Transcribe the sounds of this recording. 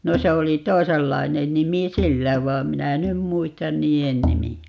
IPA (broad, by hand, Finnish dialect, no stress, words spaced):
no se oli toiselːɑi̯nen nimi silːæ ʋɑːm minæ e nym muistɑn niːen nimiæ